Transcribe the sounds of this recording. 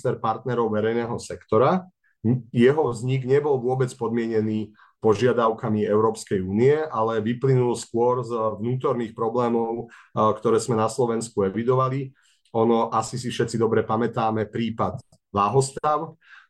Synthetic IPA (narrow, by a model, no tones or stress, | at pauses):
st̪ɛɾpaɾt̪nɛɾɔʊʋɛɾɛjnɛːɦɔsɛkt̪ɔɾa | jɛɦɔʋzɲiɡɲɛbɔlʋʊɔbɛt͡spɔd̪mɪɛɲɛniː | pɔʒɪad̪aʊkamiɛʊɾɔːpskɛjuːniɛʔalɛʋiplinulskʊɔɾzʋnuːt̪ɔɾniːxpɾɔblɛːmɔʊkt̪ɔɾɛːzmɛnaslɔʋɛnskuɛʋid̪ɔʋali | ɔnɔʔasis̬ifʃɛt̪t͡sid̪ɔbɾɛpamɛt̪aːmɛpɾiːpad̪ | blaːɦɔst̪aʊ